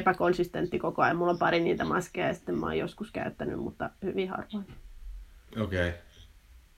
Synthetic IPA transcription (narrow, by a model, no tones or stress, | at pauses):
pækonsist̪ent̪ːikokoɑjɑmmulːompɑriniːt̪æmɑskeɑjsi̥t̪ːemmɑ̰jjoskuskæ̰yt̪ːæny̰mmṵt̪ːɑhyʋihɑ̰rʋoin | okei